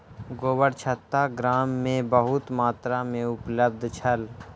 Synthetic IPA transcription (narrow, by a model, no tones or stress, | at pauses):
ɡoːbəɽt͡ʃʰət̪ːaɡɾaːmːẽbəɦʊt̪maːt̪ɾamẽʊpləb̚d̪ʱt͡ʃʰəl